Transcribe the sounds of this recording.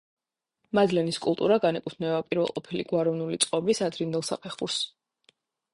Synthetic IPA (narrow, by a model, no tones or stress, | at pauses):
mad̪lɛniskʼṵlˠt̪ʼuɾaɡanɛkʼut̪ʰnɛbapʼiɾvɛ̰lˠqʼɔpʰilḭɡ̥waɾɔvnulit̪sʼqʼɔbisad̪ɾind̪ɛlˠsa̰pʰɛχuɾs